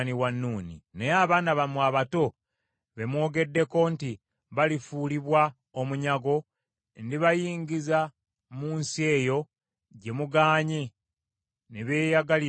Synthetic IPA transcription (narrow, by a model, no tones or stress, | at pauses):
niwanːuːnḭneaːβaːnaβamwaːβato̞ | βe̞mwo̞ːɡe̞dːe̞ko̞nti | βalifuːliβwa | omuɲaɡo̞ | ndiβajiːɲɡiza | muːnsie̞ːjo̞ | ɟe̞muɡaːɲe | neβe̞ːjaɡali